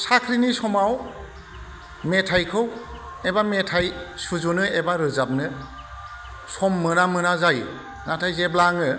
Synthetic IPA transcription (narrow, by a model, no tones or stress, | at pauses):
sakʰɾinisɔmaw | metʰajkʰɯw | ebametʰajsuzunɯebaɾɯzap̚nɯ | sɔmːɯnamɯnazaj | natʰajzeblaŋɯ